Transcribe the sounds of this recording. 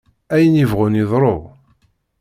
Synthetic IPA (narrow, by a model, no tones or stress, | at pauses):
æjənivʁʊniðˤɾˤoʁ